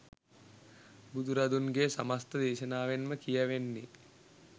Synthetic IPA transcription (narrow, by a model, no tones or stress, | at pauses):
bud̪ʱuɾɐd̪unɡesamast̪əd̪eːʃənaːʋenməkijɛʋenːi